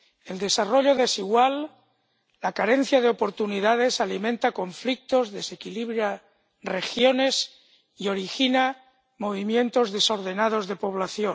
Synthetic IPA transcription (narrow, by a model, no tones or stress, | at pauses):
e̞ld̪e̞saro̞ʎo̞ðe̞siɣwalː | akaɾe̞n̟θjað̞eo̞po̞ɾt̪uniðað̞e̞salimẽnt̪ako̞ɱflik̚t̪o̞zðe̞se̞kiliβɾja | re̞xjone̞s | io̞ɾixina | mo̞β̞imjẽ̞nt̪o̞zðe̞so̞ɾð̞e̞nað̞o̞zðe̞po̞β̞laθjo